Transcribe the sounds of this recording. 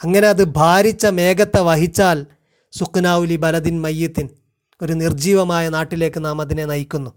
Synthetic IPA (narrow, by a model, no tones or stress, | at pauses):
ɐŋːɐne̞ɐðɨbʱaːɾit͡ɕːɐme̞ːɡɐt̪ːɐʋɐɦit͡ɕːaːl | suknaːʋulibɐlɐðinmɐjːit̪ːin | o̞ɾunird͡ʑiːʋɐmaːjɐnaːʈːile̞ːkːɨnaːmɐðine̞nɐjikʲːunːu